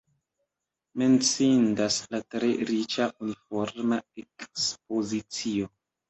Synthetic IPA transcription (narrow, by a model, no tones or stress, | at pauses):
me̞nt͡sindaslatɾe̞ɾit͡ʃaunifoɾmaekspo̞zit͡sio̞